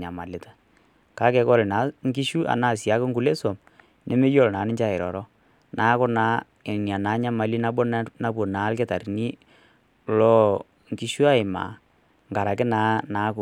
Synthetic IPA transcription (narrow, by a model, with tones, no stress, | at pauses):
ɲa˨ma˨lɪ˦tḁ˦ | ka˦kɛ˨˦kɔ˦ɾɪ˨na˨˦ŋki˦ʃu˦ʔa̰˨naː˦˨sja˨˦kɪ˦ŋ̩ɡu˦le˦so˨m | nʔɛ˦me˦jɔ˦˨lna˨˦nɪ˦ɲt͡ʃa˦˨ɪ˨ɾɔ̰˨ɾɔ˦ | naː˨˦kʊ˦na˨˦˨ | n˨a˨naː˨˦ɲa˦ma˨li˦na˦bɔ˦na˦p̬ɔ˨naː˨˦lkɛ˦ta˨ɾni˦ | lɔ˦ | ŋki˦ʃu˦a˦ɪ˨ma̰˨ | ŋɡa˨ɾa˨kɪ˦naː˦naː˨˦kʊ˨